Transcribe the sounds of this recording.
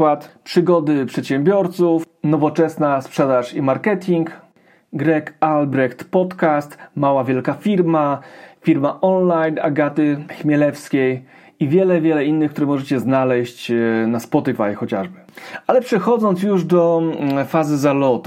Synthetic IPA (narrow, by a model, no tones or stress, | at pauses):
wat̪pʂɘɡɔd̪ɘpʂɛt̪ɕɛmbʲjɔɾt̪suf | nɔvɔt͡ʂɛsnaspʂɛd̪aʂimaɾkɛt̪ʲʰiŋk | ɡɾɛkalbɾɛxt̪pɔt̪kast̪mawavʲjɛlkafʲiɾmafʲiɾmaʔɔnlajna̰ɡat̪ɘxmʲjɛlɛfskʲej | ivʲjɛlɛvʲjɛlɛinːɘxkt̪uɾɛmɔʐɛt͡ɕɛznalɛɕt͡ɕnaspɔt̪ɘfajxɔt͡ɕaʐbɘalɛpʂɛxɔd̪zɔnt̪s̬juʐd̪ɔfazɘzalɔt̪u